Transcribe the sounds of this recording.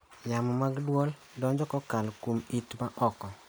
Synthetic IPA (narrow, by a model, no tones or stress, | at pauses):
jamɔmaɡdwɔl | dɔɲd͡ʒɔkɔkalkomitmaʔɔkɔ